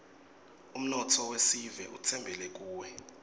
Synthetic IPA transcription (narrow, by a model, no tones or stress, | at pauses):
um̩nɔtʰɔwesivɛʔutʰɛmbʱɛlɛk̬uːwɛ